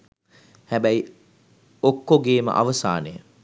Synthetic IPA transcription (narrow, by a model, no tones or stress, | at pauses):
hæbæj | okːoɡeːmə̰ʔa̰ʋəsa̰ːnejə